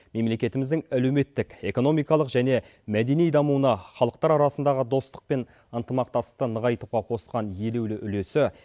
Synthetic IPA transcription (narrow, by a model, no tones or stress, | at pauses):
me̞mle̞kʲe̞t̪ɪmɪzd̪ɪŋælewme̞t̪ːɪke̞ko̞no̞mijkɑlˠəqʒæne̞ | mæd̪e̞nijd̪ɑmuwənɑχɑlˠəq̚t̪ɑɾɑɾɑsənd̪ɑʁəd̪o̞st̪ə̥q̚pe̞n | ənt̪əmɑq̚t̪ɑsqt̪ənəʁɑjt̪uʁɑqʰo̞sqɑnje̞le̞wlɪʔʏle̞sɪ